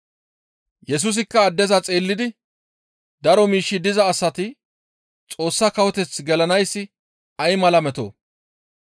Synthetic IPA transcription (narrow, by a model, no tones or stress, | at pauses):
jɛs̬ʊs̬ɪkːɐːd̪ːɛzɐt͡sʼeːlːɪd̪ɪ | d̪ɐɾɔmiːʃːɪd̪ɪzɐːsːɐt̪ɪ | t͡sʼo̞ːsːɐkɐwɔt̪ɛt͡sɡɛlɐnɐjsːɪ | ɐjmɐlɐmɛt̪o̰ː